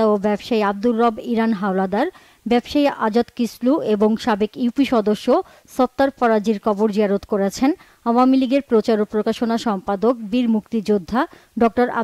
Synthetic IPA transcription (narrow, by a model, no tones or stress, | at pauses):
obɛbʃaiab̚d̪ulːɔbiɾanɦawlad̪aɾ | bɛbʃaiʔad͡ʑat̪kislueboŋʃabekiwpiʃɔd̪oʃːo | sɔt̪ːaɾpɔɾad͡ʑiɾkɔboɾd͡ʑiaɾot̪koɾet͡ɕʰen | awamiliɡeɾpɾot͡ɕaɾopɾokaʃonaʃɔmpad̪ok̚biɾmukt̪id͡ʑod̪ʱːa | ɖɔk̚ʈoɾa̰